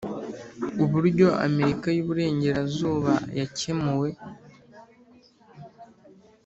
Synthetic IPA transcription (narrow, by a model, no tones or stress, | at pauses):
uβuɾɟo̞a̰me̞ɾikajuβuɾe̞ːɲɟe̞ɾazuːβajace̞muwe̞